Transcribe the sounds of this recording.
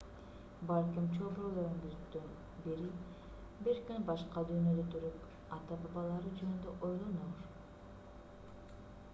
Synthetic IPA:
bɑlʲkimt͡ʃʰobɾolˠoŋɡyzykt̪øn | biɾi | biɾkynbɑʃqɑd̪yːnød̪øt̪ʰyɾyp | ɑt̪ɑpbɑlˠɑɾɯd͡ʒønynd̪øʔojlˠonoɾ

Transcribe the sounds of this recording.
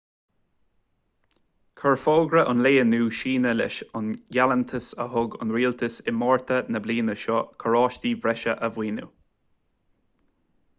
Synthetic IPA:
kʰəɹfɔːɡɾəʔʊnleːənuːʃiːnəlɪ̰ʃʊnɡalənt̪ʰəsəɦʊɡʊ̰nɾiːlt̪ʰəsɪmɔːɹt̪ʰənəbliːnəʃɔkʰəɹɑːʃt̪iːvɾɛʃəʔəvwiːnṵ

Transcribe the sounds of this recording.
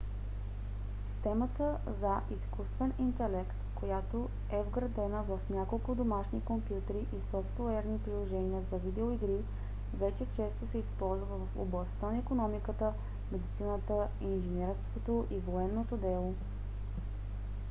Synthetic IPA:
si̥st̪ɛmət̪ə | zəʔiskust̪vɛnint̪ɛlɛkt̪kojat̪o | ɛvɡɾɐd̪ɛnəvəfnʲjakolˠkʊd̪omaʃnikompjut̪ɛɾiʔisɔft̪oɛɾnipɾilˠoʒɛniəzɐvid̪ɛoiɡɾi | vɛt͡ʃɛt͡ʃɛst̪osɛispɔlˠzvəvɐfo̰blˠɐst̪anɐikonɔmikət̪ə | mɛd̪it̪sinət̪ə | inʒɛnɛɾst̪vot̪oʔivoɛnːot̪od̪ɛlˠo

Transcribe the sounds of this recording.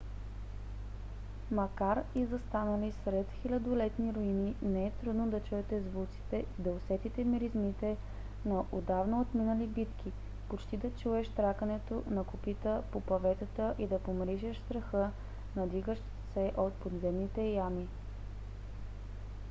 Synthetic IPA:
mɐkaɾizɐst̪anəlisɾɛt̪xilʲɐd̪olɛt̪niɾoininɛɛt̪ɾud̪nod̪ɐt͡ʃuɛt̪ɛzvut̪si̥t̪ɛd̪ɐosɛt̪it̪ɛmiɾizmit̪ɛ | nɐʔod̪avnɐot̪minəlibit̪k̟ʰʲi | pot͡ʃt̪id̪ɐt͡ʃuɛʃt̪ɾakənɛt̪onɐkʊpit̪əpopɐvɛt̪ət̪əʔid̪ɐpomɾiʒɛʃst̪ɾɐxɤ | nɐd̪iɡəʃt̪ | sɛʔot̪̚pod̪zɛmnit̪ɛjami

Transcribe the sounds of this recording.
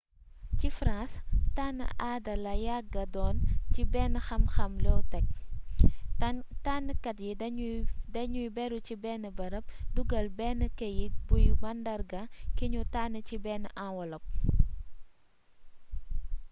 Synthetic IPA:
cifɾãnstanə̰ʔaːdɐlɐjaɡɐdɔːncibɛnxɐmxɐmlɔtɐk̚ | tanəkɐtji | dɐɲujbɛɾucibɛːnəbɐɾɐp̚duɡɐlbɛːnəkɐjit̚bujumɐndɐrɡɐkiɲutaːnəcibɛːnʔawɐlɔp̚

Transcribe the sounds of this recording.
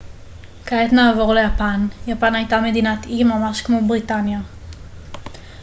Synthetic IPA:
kaet̪naːvo̞ʁlejapanjapanajtame̞dinat̪imamaʃkmo̞bʁitanja

